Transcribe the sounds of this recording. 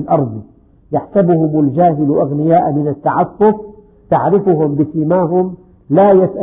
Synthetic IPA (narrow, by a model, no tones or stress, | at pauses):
lʔɑɾˤd̪ˤ | jaħsabʊhʊmald͡ʒaːɦɪlʔaɣnɪjaːʔmɪnat̪ːaʕɑfːʊf̚ | t̪aʕɾɪfʊhʊmbɪsɪmaːɦʊm | laːjasʔa